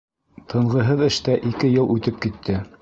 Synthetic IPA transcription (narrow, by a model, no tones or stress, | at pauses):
t̪ʰɤ̆ɴʁɤ̆ɦɤðɘ̆ʃt̪æʔikɘjɤlˠʔʉt̪ɘp̚kit̪ʰːɘ